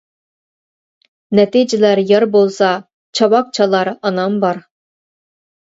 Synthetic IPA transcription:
nɛt̪id͡ʒɪlæɾjɑɾbolˠsɑ | t͡ʃʰɑwɑk̚t͡ʃʰɑlˠɑɾɑnɑmbɑɾ

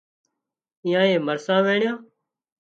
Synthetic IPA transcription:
ɪ̃jãːẽːməɾsãːʋeːɳɪjãː

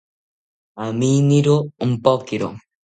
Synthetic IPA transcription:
aminiɾoumpokiɾo̰

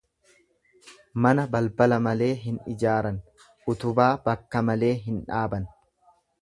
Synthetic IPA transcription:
mɐnɐbɐlbɐlɐmɐle̞ːɦɪnɪd͡ʒaːɾɐn | ʔʊt̪ʊbaːbɐkːɐmɐle̞ːɦɪnᶑaːbɐn

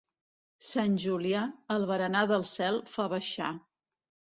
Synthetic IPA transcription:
sanʲʒuliaəlˠβəɾənaðəlˠsɛlˠfaβəʃa̰

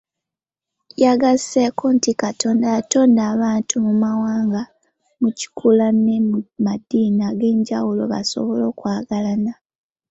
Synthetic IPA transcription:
jaɡḁekontikato̞ːndajato̞ːndaːβaːntumumawaːŋɡa | muci̥kʰulanemmadiːnaɡe̞ːɲɟawulo̞̰βa̰so̰βo̞lo̞ːkwaːɡalana

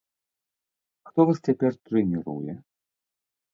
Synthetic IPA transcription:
xt̪ɔvast͡sʲapʲɛrt̪ɾɨnʲiɾṵjɛ

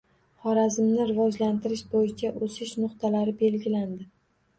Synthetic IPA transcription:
χɒɾazɪmnɪɾɪvɒd͡ʒlant̪ɪɾɪʃbojɪt͡ʃʰaʔosɪʃnʊqt̪ʰalaɾɪbe̞lɡʲɪland̪ɪ

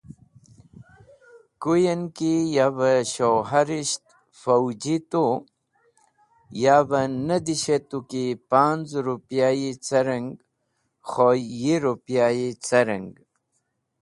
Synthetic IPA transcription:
kujenkijabəɕoɦaɾiɕt̪ | fɐwd͡ʑit̪u | jaːbənɐd̪iɕet̪ukipaːnd͡zɾupjaːjit͡sɐɾəŋɡ | xojiɾupjaːjit͡sɐɾəŋɡ

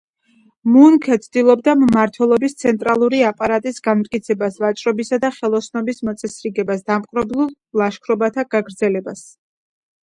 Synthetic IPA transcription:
muŋkʰɛt̪sʰd̪ilˠɔbd̪ammaɾt̪ʰwɛlˠɔbist̪sʰɛnt̪ʼɾalˠuɾiapʼaɾat̪ʼisɡanmt̪ʼkʼit̪sʰɛbasvat͡ʃʼɾɔbisad̪aχɛlˠɔsnɔbismɔt̪sʼɛsɾiɡɛbasd̪amqʼɾɔblˠulˠ | laʃkʰɾɔbat̪ʰaɡ̥aɡɾd̪zɛlɛbas

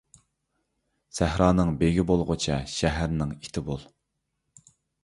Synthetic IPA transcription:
sæhɾɑːnɨŋbeɡʲibolˠʁʊt͡ʃʰɛʃɛɦæɾnɪŋit̪ʰɪbolˠ

